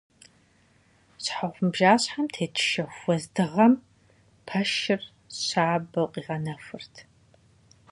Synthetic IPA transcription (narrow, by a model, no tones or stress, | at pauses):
ɕħaʁʷʊmbʒaːɕħamtʰeːtʰʃɐxʷɔzdɨʁɐm | pʰɐʃɪr | ɕaːbɐwqʼiːʁɐnɐfʷʊrtʰ